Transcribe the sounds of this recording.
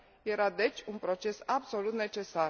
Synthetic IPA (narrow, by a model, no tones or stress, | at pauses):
jɛɾad̪ɛt͡ʃʰunpɾot͡ʃɛsabsolut̪nɛt͡ʃɛsaɾ